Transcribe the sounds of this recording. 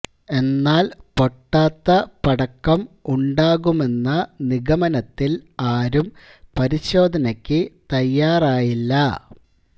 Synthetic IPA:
e̞nːaːlpo̞ʈːaːt̪ːɐpɐɽɐkːɐmuɳɖaːɣume̞nːɐniɡɐmɐnɐt̪ːilaːɾum | pɐɾiɕo̞ːd̪ʱɐnɐkʲːɨt̪ɐjːaːraːjilːɐ

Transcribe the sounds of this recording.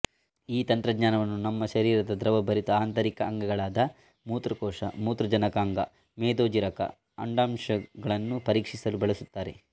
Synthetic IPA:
iːt̪ɐnt̪ɾɐɡɲaːnɐʋɐnːunɐmːɐʃɐɾiːɾɐd̪ɐd̪ɾɐʋɐbɐɾit̪ɐaːnt̪ɐɾikɐɐŋɡɐɡɐɭaːd̪ɐ | muːt̪ɾɐkɔːʂɐ̰muːt̪ɾɐd͡ʒɐnɐkaːŋɡɐ̰ | meːd̪oːd͡ʒiɾɐkɐ̰ | ɐ̰ɳɖaːmʂɐɡɐɭɐnːupɐɾiːkʂisɐlubɐɭɐsut̪ːaːɾe̞̰

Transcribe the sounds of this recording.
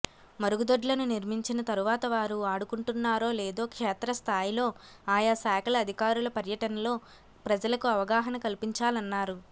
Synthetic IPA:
mɐɾuɡud̪oɖlɐnuniɾmiɲt͡ʃinɐt̪ɐɾuʋaːt̪ɐʋaːɾuaːɽukuɳʈunːaːɾo̞ːleːd̪o̞ːkʂɛːt̪ɾɐst̪ʰaːjilo̞ː | aːjasaːkʰɐlɐɐd̪ʱikaːɾulɐpɐɾjɐʈɐnɐlo̞ː | pɾɐd͡ʒɐlɐkuɐʋɐɡaːɦɐnɐkɐlipiɲt͡ʃaːlɐnːaːɾu

